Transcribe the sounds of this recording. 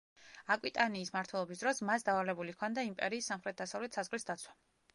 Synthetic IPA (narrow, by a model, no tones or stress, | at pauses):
akʼwit̪ʼaniːsmaɾt̪ʰwɛlˠɔbisd̪ɾɔsmasd̪avalɛbulikʰɔnd̪aimpʼɛɾiːsːamχɾɛt̪̚d̪asavlɛt̪ʰsazʁlisd̪at̪sʰwḁ